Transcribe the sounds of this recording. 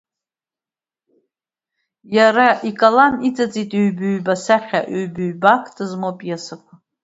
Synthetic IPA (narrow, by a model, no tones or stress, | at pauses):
jaɾaʔikʼalanit͡sʼat͡sʼitʼeɥbɨɥbasaχʲaʔøɥbɨɥbakʰtʰʼɨzmopʼjasakʷʰa